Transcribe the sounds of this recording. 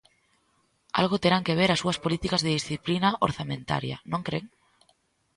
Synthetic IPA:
a̰lɣot̪eɾaŋkeβeɾasuaspolit̪ikazðeðisθiplinaʔo̰ɾθamẽnt̪a̰ɾja̰nõŋkɾeŋ

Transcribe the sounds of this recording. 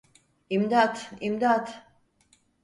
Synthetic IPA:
imd̪at̪imd̪at̪

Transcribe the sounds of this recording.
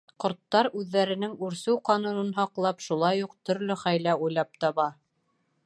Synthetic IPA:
qŏɾt̪ːɑɾʉðːæɾɘ̆nɘŋʉɾsɘwqɑnunɤnɦɒqlˠɑpʃulˠɑjuqt̪ɵ̆ɾlɵχæjlæujlˠɑp̚t̪ɑβɑ

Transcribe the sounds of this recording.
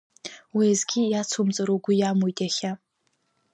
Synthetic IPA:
wizɡʲijat͡sʰomt͡sʼaɾoɡʷʊjamujtʼaχʲa

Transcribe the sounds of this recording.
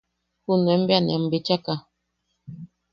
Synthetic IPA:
hunwɛm̩bjanjam̩bet͡ʃaka

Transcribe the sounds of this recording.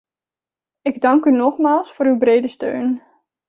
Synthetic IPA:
ɪɡdɑŋkynɔχmaːlˠsfʊːɾywbrejdəstø̰ɥn

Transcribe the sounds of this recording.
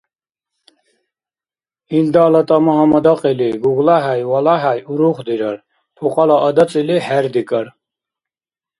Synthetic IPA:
ind̪aːlat̪ʼamaɦamad̪aqʼiliɡuɣlaɦajwalaɦajuɾuχd̪iɾaɾ | p̪ʰɔqʼalaʔːd̪at͡sʼilihɛɾd̪ikʼaɾ

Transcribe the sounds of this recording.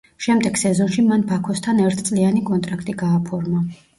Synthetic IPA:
ʃɛmd̪ɛɡ̥sɛzɔnʃimanbakʰɔst̪ʰanɛɾt̪ʰt̪sʼlianikʼɔnt̪ʼɾakʰt̪ʼiɡaːpʰɔɾma

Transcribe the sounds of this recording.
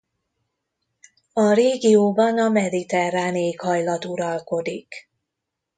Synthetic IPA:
ɒreːɡijoːbɒnɒmɛd̪it̪ɛraːneːkhɒjlɒt̪uɾɒlko̞d̪ik

